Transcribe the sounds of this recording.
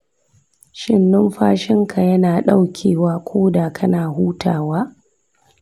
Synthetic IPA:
ʃɪ˦nːʊ˦mɸaː˦ʃɪ˦ŋka˨jɐ˦naː˨ɗa˦wkʲʰeː˨waː˦kʷʰoː˦da˨kʰɐ˦naː˨ɦuː˦ta̰ː˨waː˦

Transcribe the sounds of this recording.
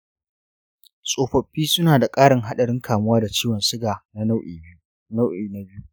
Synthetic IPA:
sʼoː˨ɸɐ˨ɸːiː˦sʊ˦naː˨da˨kʼaː˦ɽɪ˨ŋɦa˦ɗɐ˨ɽɪ˦ŋkʰaː˨mʊ˦waː˦da˨t͡ʃiː˦wɐ˨nsɪ˦ɡaː˨na˦na˦wʔi˨ | na˦ʔiː˨na˦bɪ˦u˦

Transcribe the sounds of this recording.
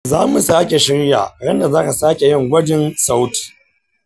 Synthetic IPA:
zaː˦mu˨saː˦kʲe˨ʃɪ˦ɾja̰ː˨ɽɐ˦nda˨zaː˦ka˨saː˦kʲe˨jɪ˦ŋɡʷɐ˦d͡ʒɪ˦nsa˦wt

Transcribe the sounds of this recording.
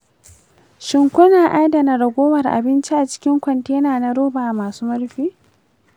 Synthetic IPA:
ʃɪ˨ŋkʷʊ˦naː˨ʔaː˦dɐ˨na˨ɽɐ˨ɡʷoː˦wɐ˨rʔa̰˨bɪ˦nt͡ʃi˦ʔa˨t͡ʃɪ̥˦kʲɪ˦ŋkʷɐ˨nteː˦naː˨na˦ɽoː˦baː˨ʔmaː˨suː˦mɐ˦rɸiː˦

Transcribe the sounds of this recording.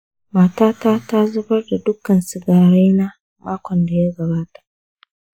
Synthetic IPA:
maː˨taː˦taː˦ta˦zʊ˦bɐ˦rda˨dʊ˦kɐ˨nsɪ˨ɡaː˨ɽe˦jna˦ | maː˦kʷɔ˨nda˨ja˦ɡɐ˨baː˦tḁ˨ʔ

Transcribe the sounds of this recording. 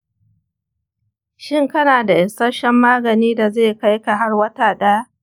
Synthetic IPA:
ʃɪ˦˨ŋkɐ˦naː˨da˨ʔɪ˨nsɐ˦ʃɛ˦mːaː˦ɡɐ˨niː˦da˨zeː˦˨ka˦jka˨ɦa˦rwɐ˦taː˨ɗaː˦

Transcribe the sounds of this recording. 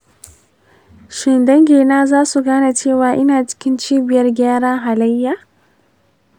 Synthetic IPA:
ʃɪ˨ndɐ˦ŋɡʲeː˨naː˦zaː˦su˨ɡaː˦na˨t͡ʃeː˦˨waː˨ʔɪ˦naː˨t͡ʃɪ̥˦kʲɪ˦nt͡ʃiː˦bɪ˨jɐ˦rɡʲaː˦ɽaː˦ɦa˨lɐ˦jːaː˨

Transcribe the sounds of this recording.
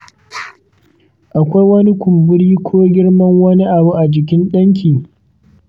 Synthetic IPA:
ʔa˨kʷa˦jwɐ˦ni˦kʷʊ˨mbʊ˦ɽiː˦kʷʰoː˦ɡʲɪ˦ɽmɐ˦ŋwɐ˦ni˦ʔa˨bu˦ʔa˨d͡ʒɪ˨k̬ʲɪ˦nɗɐ˦ŋk̬ʲiː˨

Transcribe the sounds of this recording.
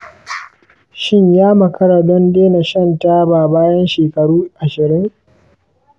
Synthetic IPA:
ʃɪ˦ɲjaː˦mɐ˨kʰɐ˦ɽa˨dɔ˦ndeː˦na˨ʃɐ˦˨nta˦baː˨baː˦jɐ˦nʃeː˨kɐ˨ɽuː˦ʔa˨ʃɪ˨ɾɪ˦ŋ

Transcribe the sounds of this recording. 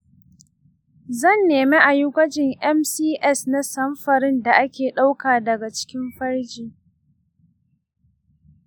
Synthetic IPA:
zɐ˦˨nːeː˨me˦ʔa˨jʊ˦kʷɐ˦d͡ʒɪ˨ŋʔɛ˦msiː˦ʔɛ˦˨sna˦sɐ˦mɸɐ˨ɾɪ˦nda˨ʔa˦kʲeː˨ɗa˦wkaː˨dɐ˨ɡa˨t͡ʃɪ̥˦kʲɪ˦mɸɐ˦ɽd͡ʒiː˨

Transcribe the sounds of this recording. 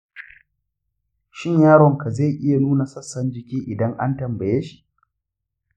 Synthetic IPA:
ʃɪ˦ɲjaː˦ɽɔ˨ŋka˨zeː˦˨ʔɪ˦ja˨nuː˦na˨sɐ˦sːɐ˦nd͡ʒɪ˨kʲiː˦ʔɪ˨dɐ˦ŋʔa˦ntɐ˨mbɐ˨jeː˦ʃi̥˨ʔ

